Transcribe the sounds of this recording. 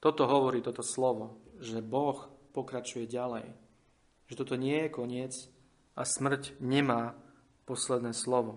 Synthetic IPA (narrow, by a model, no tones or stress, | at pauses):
t̪ɔt̪ɔɦɔʋɔɾiːt̪ɔt̪ɔslɔʋɔʒɛbɔxpɔkɾat͡ʃujɛɟalɛj | ʒɛt̪ɔt̪ɔɲɪɛjɛkɔɲɪɛt͡s | ʔasmr̩cɲɛmaː | pɔslɛd̪nɛːslɔʋɔ